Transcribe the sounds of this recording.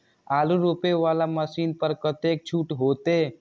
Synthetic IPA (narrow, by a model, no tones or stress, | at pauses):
aːluɾopeʋaːlaməsiːnpəɾkət̪ek̚t͡ʃʰuːʈɦoːt̪e